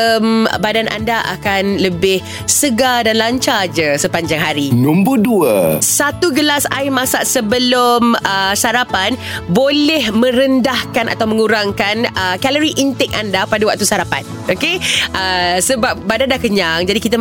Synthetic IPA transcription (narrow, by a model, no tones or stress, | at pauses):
mbadanʔa̰ndaʔa̰kanləbɪh | səɡadanlaɲt͡ʃad͡ʒəsəpaɲd͡ʒaŋɦaɾinumbuduəsat̪uɡəlasa̰jmãsaʔsəbəlʊməsaɾapanbolɛhmə̃ɾəndahkanʔa̰t̪awmə̃ŋuɾaŋkanəkaləɾiʔint̪ɛk̚a̰ndapadawak̚t̪usaɾapa̰n | okeʔəsəbap̚badandakəɲaŋd͡ʒadikit̪a